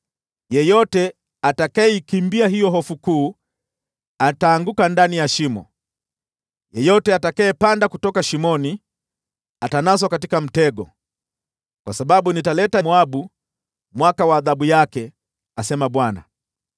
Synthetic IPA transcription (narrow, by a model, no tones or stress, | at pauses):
jɛjɔtɛ | atakajɛikimbiaɦijɔɦɔfukuː | ataːŋɡukandanijaʃimɔ̰ | jɛjɔtɛatakaɛpandakutɔkaʃimɔni | atanas̬ɔkatikam̩tɛɡɔ̰ | kwasaɓaɓunitalɛtamuaɓu | mwakawaːðaɓujakɛ | asɛmaɓwana̰